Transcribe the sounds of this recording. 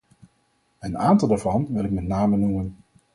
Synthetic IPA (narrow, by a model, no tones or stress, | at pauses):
əna̰ːntɑlˠdaːɹvɑnʋɪlɪkmɛtnaːmənumən